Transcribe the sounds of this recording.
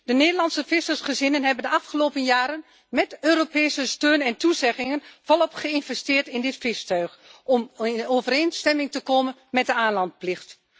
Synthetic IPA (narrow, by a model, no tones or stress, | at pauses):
d̥əneːdəlɑntsəfɪsərsχəzɪnənɦɛbəndəɑfχəloːpənjaːɾən | mɛtøːɾopɛːsəstøːnɛntuzɛχɪŋənvɔlˠɔpχəɪnvɛstɪːɹtɪndɪtfɪstœɥxʔɔmoːvəɾeːnstɛmɪŋtəkoːmənmɛt̚dəaːnlɑnt̚plɪxt